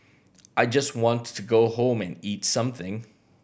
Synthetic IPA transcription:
ʔaɪd͡ʒʌst̚wɑ̃ntʰɨɡoʊhõʊ̃mɨ̰̃nitsʌ̃mθɪ̃ŋ

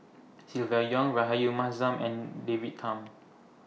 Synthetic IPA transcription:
silvajɔ̃ŋɹaɦajumazãmɛ̃ndevit̚tʰːãm

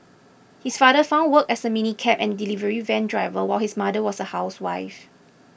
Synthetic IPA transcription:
hisfadəfãʊ̃nwəkɛsəminikʰɛpɛ̃ndilivəɹivɛ̃ndɹaɪvəwaɪlhismadəwɔsəhaʊswaɪf

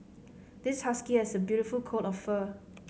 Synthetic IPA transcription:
d̥ɪshaskiɛsəbjuɾifulkʰotɔfːə

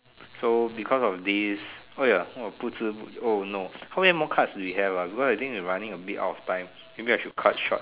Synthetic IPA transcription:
sobikʰɔsɔfdis | ojaoputʰuonohawɛmɔkʰatsduwiɦɛvabikɔsaɪt̪ʰĩŋkwiɹãnĩŋəbita̰ʊtɔftãɪ̃m | mẽbĩajʃud̚kʰat̚ʃɔ̰t̚

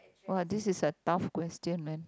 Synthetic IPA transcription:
waldisisətafkwɛstə̃nmɛ̃n

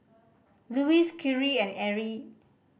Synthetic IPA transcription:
luiskʰuɹiɛ̃nɛɹi

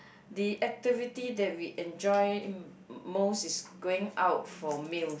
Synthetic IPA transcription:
diʔɛk̚tivitidɛt̚wiʔɛ̃nd͡ʒɔj | mosisɡoɪ̃ŋawt̚fɔmil

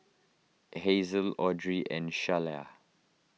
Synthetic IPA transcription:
hezəlɔdɹiʔɛ̰̃nʃalɛ̰

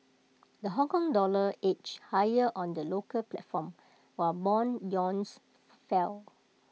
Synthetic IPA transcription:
dəɦɔ̃ŋkɔ̃ŋdɔləet͡ʃhajəʔɔ̃ndəlokəlplɛtfɔ̃m | wɔbɔ̃nd͡ʒɔ̃ns | fɛl

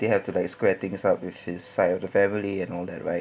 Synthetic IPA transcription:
d̥ehɛftulaɪkskwɛt̪ɪ̃ŋsap̚wɪfɪssaɪtɔfdəfɛ̃miliɛ̃nɔlˠdɛt̚ɹaɪ

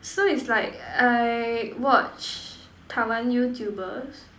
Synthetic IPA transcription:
soitslaɪkajwɔt͡ʃ | tʰawãnjutʰjubəs

